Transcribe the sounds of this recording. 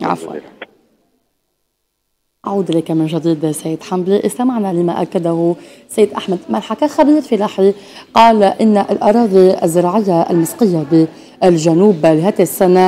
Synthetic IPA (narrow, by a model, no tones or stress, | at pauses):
ʕa̰fwa̰l | ʔaʕuːd̪ʔɪlakamɪnʒad̪iːd̪sajːɪd̪ħambliʔɪst̪amaʕnalɪmaʔakːad̪ahʊ | sajːɪd̪ʔaħmad̪malħakaxabiːɾfilaħi | qɑːlʔɪnːaʔalʔɑɾˤɑːd̪ˤiʔazːɪɾˤɑːʕɪjːaʔa̰lmɪsqɨjːabɪ | ʔalʒanuːblɪɦaːt̪ɪsːana